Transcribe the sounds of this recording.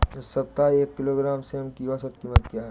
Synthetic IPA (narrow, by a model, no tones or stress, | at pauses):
ɪssɐp̚t̪aeːkːɪloːɡɾaːmseʊnkiʋasət̪kiːmət̪̚kjaːɦɛ